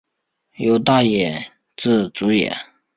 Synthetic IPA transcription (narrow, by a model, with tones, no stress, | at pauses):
jo˧˥ʊt̪a˥˩jɛ˨˩ | t͡sɹ̩˥˩t͡su˧˥jɛ̰˨˩˦